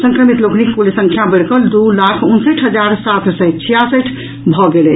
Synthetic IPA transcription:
sə̃ŋkɾəmit̪loknikːulisə̃ŋkʰjabəɽkəld̪ulakʰunsəʈʰɦəd͡ʒaɾsat̪ʰsɛt͡ʃʰijasəʈʰ | bʱɔɡelɛt͡ʃʰ

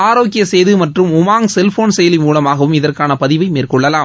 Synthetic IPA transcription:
aːɾoːkɪjɐsɛjðɯmɐʈrɯmʊmaːŋsɛlfoːnsɛjɐlimuːlɐmaːɣɐʋɯmɪðɐrkaːnɐpɐðɪʋɐɪmeːrkɔɭːɐlaːm

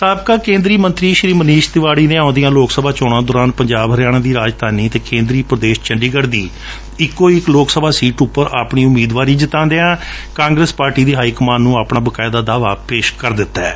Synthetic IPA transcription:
saːbkaːkẽːnd̪ɾiːmənt̪ɾiːʃɾiːməniːʃt̪ɪʋaːɽiːneːãːnd̪ijãːloːksəbaːt͡ʃɔːɽãːd̪ɔːɾaːnpəɲd͡ʒaːbɦəɾjaːɽ̃ãːd̪iːɾaːd͡ʒt̪aːniːt̪eːkẽːnd̪ɾiːpɾəd̪eːʃt͡ʃəɳɖiːɡəɾd̪iː | ɪkːoːɪkloːksəbaːsiːʈʊpːəɾaːpɳiːʊmiːd̪ʋaːɾiːd͡ʒɪt̪ãːnd̪eːãː | kãːŋɡɾespaːɾʈiːd̪iːɦaːikmaːnːũːaːpɳaːbəkaːɪd̪aːd̪aːʋaːpeːʃkəɾd̪ɪt̪ːɛ̰ː

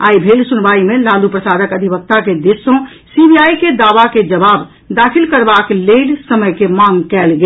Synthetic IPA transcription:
aːibʱeːlsunʋaːimẽlaːlupɾəsaːd̪əkəd̪ʱibək̚t̪aked̪ɪsõ | sibiaːiked̪aːʋaked͡ʒəbaːb | d̪aːkʰɪlkəɾbaːkleːlsəməjkemãŋɡkɛːlɡe

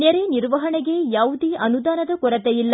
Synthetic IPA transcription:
nɛɾeniɾʋɐɦɐɳɛɡe̞jaːʋud̪iʔɐnud̪aːnɐd̪ɐkɔɾɐt̪ejilːɐ

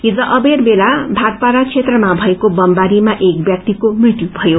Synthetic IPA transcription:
id͡zʌʔʌberbelabʱar̚paɾat͡sʰet̪rʌmabʱʌekobʌmbaɾimaʔek̚bjʌk̚t̪ikomrit̪jubʱʌjo

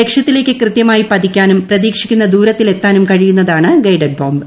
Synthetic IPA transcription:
ekʂjɐt̪ːile̞ːkʲːɨkrɨt̪jɐmaːjipɐd̪ikʲːaːnumprɐðiːkʂi̥kʲːunːɐd̪uːɾɐt̪ːile̞t̪ːaːnumkɐɻijunːɐðaːɳɨɡɐjɖɐɖ̚boːmb

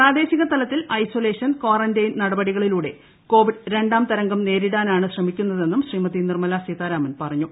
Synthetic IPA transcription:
praːd̪e̞ːɕiɣɐst̪ɐlɐt̪ːilɐjsole̞ːʂɐnko̞ːrɐndɐjnɐɽɐbɐɽiɣɐɭiluːɽe̞̰ | ko̞ːʋiɖɾe̞ɳɖaːmt̪ɐɾɐŋɡɐmne̞ːɾiɽaːnaːɳɨɕrɐmikʲːunːɐðe̞nːumɕriːmɐt̪ːinirmɐlaːsiːt̪aːɾaːmɐnpɐrɐɲːu

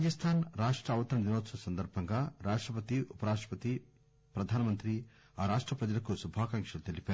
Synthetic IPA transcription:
ad͡ʒɐst̪ʰaːnɾaːʂʈɾɐːʋɐt̪ɐɾɐd̪inoːt̪sɐɐsɐnd̪ɐɾbʱɐŋɡaːɾaːʂʈɾɐp̬ɐt̪iupɐɾaːʂʈɾɐpɐt̪i | pɾɐd̪ʱaːnɐmɐnt̪ɾi | aːɾaːʂʈɾɐpɾɐd͡ʒɐlɐkusubʱaːkɐŋkʂɐlt̪elipaːɾu

